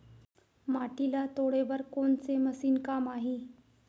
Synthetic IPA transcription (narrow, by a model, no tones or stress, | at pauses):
maʈilat̪oɽeʋəɾkoɳt͡seməsiːnkamaɦe